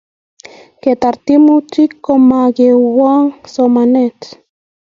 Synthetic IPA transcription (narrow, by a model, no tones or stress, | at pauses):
ket̪aɾt̪imut͡ʃikːomaɡewaŋsomanet